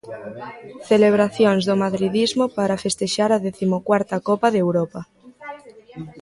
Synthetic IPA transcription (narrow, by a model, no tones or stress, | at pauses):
θeleβ̞ɾaθjonzðomaðɾið̞izmopaɾafest̪eʃaɾaðeθimokwaɾt̪akopaðewɾopa